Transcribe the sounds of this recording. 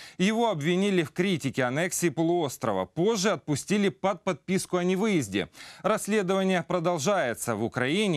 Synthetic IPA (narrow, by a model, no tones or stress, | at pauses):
jɪvo̞ɐbvʲɪnʲilʲɪfkɾʲitʲɪkʲɪɐnɛksʲɪːpəlˠʊo̞st̪ɾə̰və̰po̞ʐːɨɐt̪̚pʊsʲtʲilʲɪpɐt̪̚pɐt̪̚pʲiskʊɐnʲɪvɨjɪzʲdʲɪ̰ɾɐsʲlʲe̞d̪əvənʲɪjəpɾəd̪ɐlˠʐajɪt̪səvʊkɾɐinʲɪ